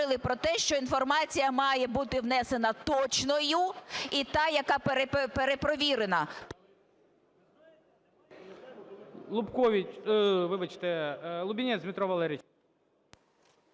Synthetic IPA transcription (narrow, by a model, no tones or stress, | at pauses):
ɪlˠɪpɾɔt̪ɛʃt͡ʃɔinfɔrmɑt͡sʲijɐmɑjɛbut̪ɪwnɛse̞nɐt̪ɔt͡ʃnɔjʊit̪ɑjɐkɑpeɾeppeɾepɾɔʋʲiɾenɐp | lˠʊpkɔʋʲiʋɪʋɐt͡ʃɪ̥t̪ɛlˠʊbʲinʲɛzʲmʲɪt̪ɾɔʋɐlˠɛɾʲit͡ʃ